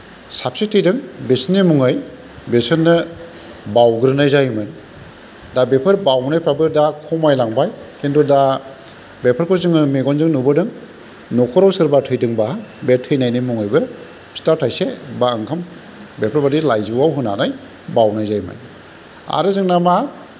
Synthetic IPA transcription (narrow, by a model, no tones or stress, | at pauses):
sap̚sitʰɯjdɯŋbesnimuŋɯj | besɯnːɯ | bawɡɯɾɯnajzajmɯn | dabepʰɯɾbawnajpʰɾabɯdakʰɔmajlaŋbajkʰendɔda | bepʰɯɾkʰɯzɯŋɯmeɡɔnzɯŋnubɯdɯŋ | nɔkʰɔɾawsɯɾbatʰɯjdɯŋbabetʰːɯjnajnimɔŋɯjbɯɾ | sʰi̥taɾtʰajsebaɯŋkʰam | bepʰɯɾbadilajzɯwawɦɯnanaj | bawnajzajmɯ̰n | a̰ɾɯzɯŋnama